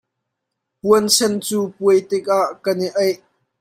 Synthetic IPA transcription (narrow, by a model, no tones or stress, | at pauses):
puənsʰɛnt͡suːpuəjt̪ɪk̚aʔkɐniʔɐjʔ